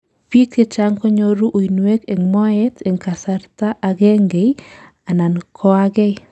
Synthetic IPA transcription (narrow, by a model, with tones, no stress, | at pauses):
pi˦k̚te˦t͡ʃa˦ŋkɔ˦ɲo˦ɾu˦ʔo˨i˨nwe˦ke˨ŋmɔ˦ɛ˦tʰe˨ŋka˨sa˨ɾta˦ʔa˨ɡe˦ŋɡe˨j | a˨na˨nkʰɔ˦a˦ɡɛ˦j